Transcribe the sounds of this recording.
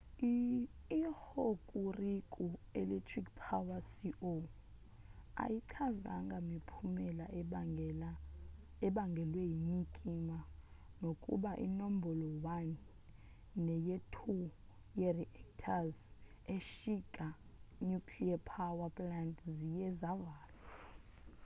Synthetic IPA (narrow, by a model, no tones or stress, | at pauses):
ihokʼurikʼuɛ̰lɛtʰrikpʰawasiʔo | a̰jiǀʰaza̰ŋɡʱamipʰumɛlala | ɛɓaŋɡʱɛlwejiɲikʼimanokʼṵɓaʔḭnom̩bʱɔlɔwanː | ɛjetʰu | jɛriʔɛktʰaz | eʃikʼanukʰliapʰawapʼlandzijɛzavaːla